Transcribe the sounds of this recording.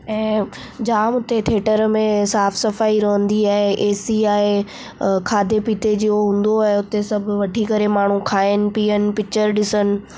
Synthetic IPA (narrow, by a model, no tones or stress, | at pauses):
ɛ̃ː | d͡ʑaːmʊt̪et̪ʰeːʈəɾmẽsaːfʰsɐfaːiɾɐɦə̃nd̪iaːɦeʔeːsiaːɦe | kʰaːd̪ʱepit̪ed͡ʑiːɦoɦũːn̆d̪oaːɦɦeʊt̪esɐbʱʋɐʈʰikɐɾemaːɳ̤ũkʰaːɪnɪ̆piːənɪ̆pɪkt͡ɕəɾɗɪsənɪ̆